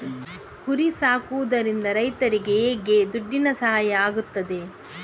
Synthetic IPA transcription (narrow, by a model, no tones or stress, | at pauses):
kuɾisaːkuʋud̪ɐɾind̪ɐɾɐjt̪ɐɾiɡe̞ːɡe̞d̪uɖːinɐsɐɦajɐaːɡut̪ːɐd̪e̞